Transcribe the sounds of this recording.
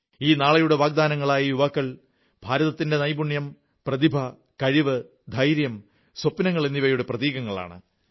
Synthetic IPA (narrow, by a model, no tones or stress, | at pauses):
iːnaːɭɐjuɽe̞ʋaːɡ̚d̪aːnɐŋːɐɭaːjɐjuʋaːkːɐɭ | b̥ʱaːɾɐðɐt̪ːinde̞nɐjbuɳjɐm | prɐðibʱɐ | kɐɻiʋɨ | d̪ʱɐjɾjɐm | swɐpːnɐŋːɐɭenːiʋɐjuɽe̞prɐðiːɣɐŋːɐɭa̰ːɳɨ̰